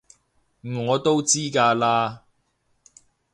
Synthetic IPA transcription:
m̩˨˩ŋɔː˨˧t̪o˥wt͡siː˥kaː˧laː˥

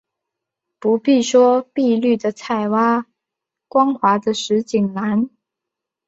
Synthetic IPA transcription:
pu˧˥pi˥˩ʂwɔ˥pi˥˧ly˥˩d̪ə˩t͡sʰa˥˩ɪwa˥ | kwɑ˥ŋxwa˧˥d̪ə˧ʂɻ̩˧˥t͡ɕi˨˩ŋna˧˥n

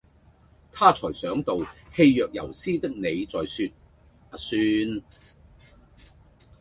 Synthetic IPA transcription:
t̪ʰaː˥t͡sʰɔː˨˩jsœː˨˥ŋt̪o˨whe˧jːœː˨k̚jɐ̰˨˩wsiː˥t̪ɪ˥k̚ne˨˧jt͡sɔː˨jsyː˧t̚ | a˨syː˧n

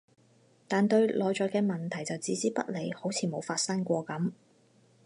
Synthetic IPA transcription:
t̪aː˨nt̪ɵ˧ɥlʔɔː˨jt͡ʃɔː˨˧kɛː˧mɐ˨nt̪ʰɐ˨˩jt͡sɐ˨wt͡siː˨˥t͡siː˥pɐ˥t̚le˨˧jho˨˥wt͡sʰiː˨˩mo˨˧wfaː˧t̚sɐ˥ŋkʷɔː˧kɐ˨˥m

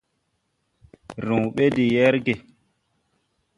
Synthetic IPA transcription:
ɾũ˨ɓe˦di˨jɛ˦ɾɡe˨

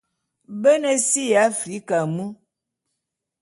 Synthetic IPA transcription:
bə˦nə˦si˦ja˨˦fɾi˨˦ka˨mu˦

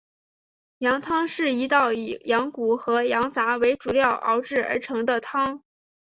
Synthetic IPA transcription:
jɑ˧˥ŋt̪ʰɑ˥ŋʂɻ̩˥˩i˧˥t̪ɑ˥˩ʊjɑ˧˥ŋku˨˩xɤ˧˥jɑ˧˥ŋt͡sa˧˥we˧˥ɪʈ͡ʂu˨˩ljɑ˥˩ʊʔɑ̰˧˥ʊʈ͡ʂɻ̩˥˩ə̰˞˧˥ʈ͡ʂʰɤ˧˥ŋd̪ə˧t̪ʰɑ˥ŋ

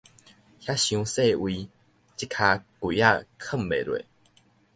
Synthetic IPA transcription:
hja˦˥ɕjũ˧se˥˧˨wi˧ | t͡ɕi˦kʰa˧kwu˨˦ja˥˧kʰə˥˨mbḛ˨lwḛ˨

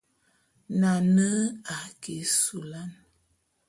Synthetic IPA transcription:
na˨nə˦a˨ke˨su˨la˦n

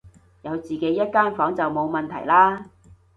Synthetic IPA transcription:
jɐ˨˧wt͡siː˨ke˨˥jːɐ˥t̚kaː˥nfɔː˨˥ŋt͡sɐ˨wmo˨˧wmɐ˨nt̪ʰɐ̰˨˩jlaː˥

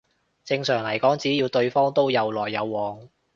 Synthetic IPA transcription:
t͡sɪ˧ŋsœː˨˩ŋlɐ˨˩jkɔː˨˥ŋt͡siː˨˥jiː˧wt̪ɵ˧ɥfɔː˥ŋt̪o˥wjɐ˨˧wlɔː˨˩jːɐ˨˧wːɔː˨ŋ

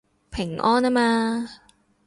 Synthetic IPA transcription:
pʰɪ˨˩ŋʔɔː˥na˥maː˧

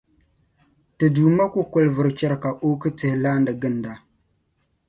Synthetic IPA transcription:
tɨ˨duː˨ma˦ku˦kʊ˦lvɨ˨ɾɨ˨t͡ʃɛ˦ɾka˨ʔo˦kɨ˦tɨ˨˦hɪ˨laː˦ndɨ˨ɡɨ˦n˨da˨

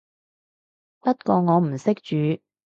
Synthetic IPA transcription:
pɐ˥t̚kɔː˧ŋɔː˨˧m̩˨˩sɪ˥k̚t͡ʃyː˨˧

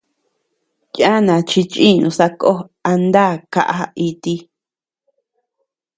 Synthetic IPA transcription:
ja˦nã˨t͡ʃi˧t͡ʃʔĩ˦˨nũ˧sa˧ko˦a˧nd̪a˦˨ka̰˧ʔa˧˦i˧t̪i˧

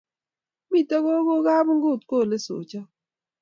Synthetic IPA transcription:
mi˦˨tɔ˦ɡo˦ɡo˦ɡa˦bŋ˦ɡʊ˦˨t̚ko˦˨le˦so̰˨t͡ʃɔ˦

